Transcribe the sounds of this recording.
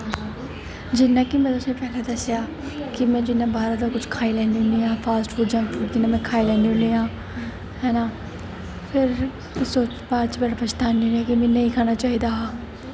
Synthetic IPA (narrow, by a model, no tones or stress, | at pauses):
d͡ʒɪnːaːkimɛ̃ːt̪ʊsẽːpɛːleːd̪əsjaː | kɪmɛ̃ːd͡ʒɪnːãːbaːɾãd̪akʊt͡ʃʰkʰaːilɛːniʊniãːpʰaːsʈfuɖd͡ʒãːnfʊd͡ʒɪnːãːmɛ̃ːkʰaːilɛ̃ːniɦʊ̃niːãː | ɦɛːnaː | pʰɪɾ | soːt͡ʃbaːɾt͡ʃbɛːʈapʰət͡ʃt̪aːniʊ̃niãːkimɛ̃ːnəĩːkʰaːnat͡ʃaːɦiːd̪aɦaː